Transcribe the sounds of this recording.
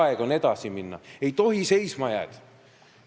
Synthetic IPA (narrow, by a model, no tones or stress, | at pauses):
eɡ̥one̞d̪̥ɑsiminːɑ̰e̞jt̪o̞ɦise̞jsmɑjæ̰ːd̪̥